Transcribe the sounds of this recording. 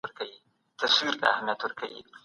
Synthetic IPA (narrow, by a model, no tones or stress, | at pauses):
əɾkawi | t̪aswiɾt̪a̰ːhamijat̪wəɾkʰawḭ